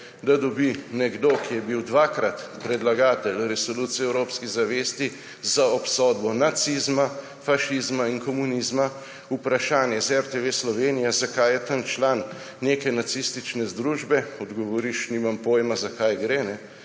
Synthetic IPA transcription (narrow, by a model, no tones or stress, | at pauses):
d̪ad̪ɔbinɛɡd̪oːkijɛbiwd̪ʋaːkɾat̪pɾɛd̪laɡaːt̪ɛlɾɛsoluːt̪siɛwɾoːpskiɣzaʋeːst̪i | zaɔpsɔd̪bɔnat̪sizma | faʃizmainkɔmunizma | upɾaʃaːnjɛzɛɾt̪eʋeslɔʋenijazakajɛt̪ant͡ʃlanː | ekɛnat̪sist̪it͡ʃnɛzd̪ɾuːʒbɛɔd̪ɡɔʋɔɾiʃnimampoːjmazakajɡɾenɛ